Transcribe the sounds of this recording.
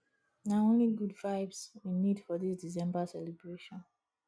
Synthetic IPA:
naõnliɡudvaɪbsĩnːidfɔðisdisɛ̃mbasɛlɛbɹeʃɔ̃n

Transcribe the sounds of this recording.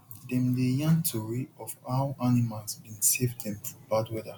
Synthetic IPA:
dɛ̃mdejãntʰɔɹiɔfaʊʔanimalsbĩnsevdɛ̃mfɹɔbadwɛðə

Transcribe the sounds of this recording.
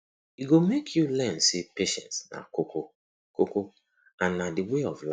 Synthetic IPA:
iɡomekʰjulɛ̃nsepeʃɛ̰̃ntsna̰koko | koko | ãnːadiweɔvla

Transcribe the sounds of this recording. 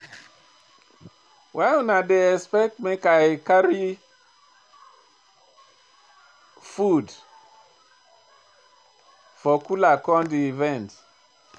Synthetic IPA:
waɪũnadeɛspɛk̚tmekaɪkaɹi | fud | fɔkulakɔ̃ndiivɛ̃nt

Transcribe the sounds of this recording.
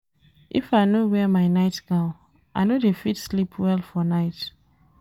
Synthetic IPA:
ʔḭfajnowɛmaɪnaɪtna | ʔanodefitslipʰwɛlfɔnaɪt

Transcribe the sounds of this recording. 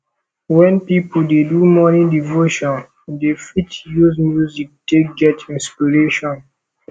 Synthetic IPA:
wɛ̃npipədedumɔnidivoʃɔ̃n | defitjuzmjuzik̚deɡɛtĩnspiɹeʃɔ̃n

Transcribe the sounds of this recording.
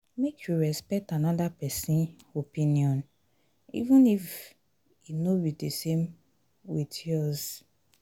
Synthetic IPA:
mekʰjuɹɛspɛk̚tanɔdapɛsĩnopĩniɔ̃n | ḭvũnif | jinobidesem | witjɔz

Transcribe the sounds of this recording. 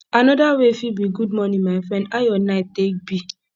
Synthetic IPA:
anɔdawefibiɡud̚mɔnĩmaɪfɹɛ̃ndajɔnaɪtek̚bi

